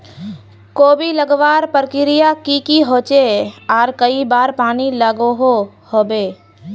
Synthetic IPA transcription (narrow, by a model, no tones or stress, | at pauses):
koːbʱiləɡʋaːɾpəɾkɪɾɪjakikiɦoːt͡ʃeɔːɾkəibaːɾpaːniləɡoɦo | hoːbeː